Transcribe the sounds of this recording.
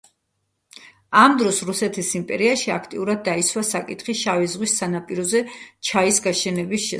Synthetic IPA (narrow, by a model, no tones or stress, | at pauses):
amd̪ɾɔsɾusɛt̪ʰisimpʼɛɾiaʃiakʰt̪ʼiuɾad̪̚ːait̪sʰwasakʼit̪ʰχiʃavɛzʁwisːanapʼiɾɔzɛt͡ʃʰaisɡaʃɛnɛbisʃɛ